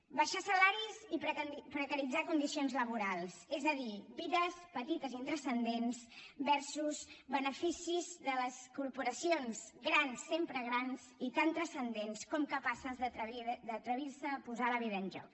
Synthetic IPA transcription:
bəʃasəlaɾizipɾəpɾəkəɾid͡zakund̪isionzləβ̞uɾalˠsezəðibiðəspət̪it̪əzint̪ɾəsənd̪ensbɛɾsuzβənəfisizðələskuɾpuɾəsionzɡɾansːempɾəɣɾanzit̪ant̪ɾəsənd̪enskɔmkəpasəzðəɾəid̪ət̪ɾəβiɾsəpuzaləβiðəːnʒɔ̰k

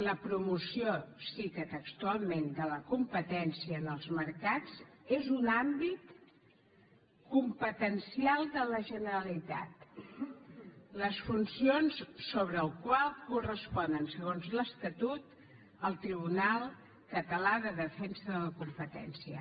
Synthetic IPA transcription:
ləpɾumusiosikət̪əkst̪ualˠmend̪ələkumpət̪ɛnsiəːnəlˠzməɾkat͡sezunambit̪ | kumpət̪ənsialˠd̪ələʒənəɾəlit̪a̰t̪ | ləsfunsionssoβ̞ɾəːlˠkwalˠkurəspɔnənsəɣonzləst̪ət̪ut̪ | əlˠt̪ɾiβ̞unalˠ | kət̪əlaðəðəfɛnsəðələkumpət̪ɛ̰nsiə̰

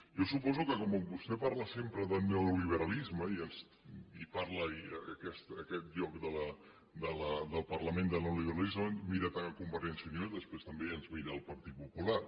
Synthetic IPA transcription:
jɔsupɔzukəkɔməβust̪epaɾləsempɾəðənəwoliβ̞əɾɐlizməiənz | ipaɾləiəkɛst̪əkɛt̪̚ʎɔkd̪ələ | d̪ələd̪əlˠpɐrləmẽnd̪ənəwliβəɾalizmənmiɾət̪aŋkumbəɾɛnsjənioðəspɾest̪əmbeənzmiɾəːlˠpɐɾt̪it̪̚pupula

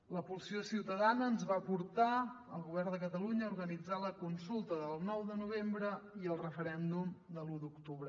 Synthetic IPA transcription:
ləpulˠsiosiwt̪əðanəːnzβapuɾt̪a | əlˠɣuβ̞ɛrnd̪əkət̪əluɲəuɾɣənid͡zaləkunsulˠt̪əðəlˠnɔwd̪ənuβ̞embɾəiəlˠrəfəɾɛnd̪umd̪əlud̪ukt̪uβɾə

